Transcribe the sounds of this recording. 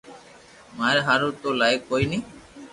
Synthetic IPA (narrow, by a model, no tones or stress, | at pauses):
maɾɦaɾot̪olajkːojni